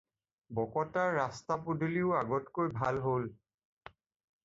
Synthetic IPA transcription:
bɔkɔtaɹːastapudʱuliʊaɡɔtkojbʱalɦol

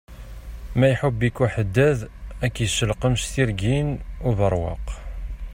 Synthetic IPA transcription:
mæjħəbːikuħəd̪ːæðækːiʃəlqəmʃθiɾɡinuvəɾˤwɑ̰q

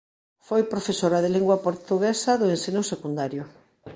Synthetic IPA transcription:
fojpɾofesoɾaðeliŋɡwapoɾt̪uɣesaðʊensinosekund̪aɾjʊ

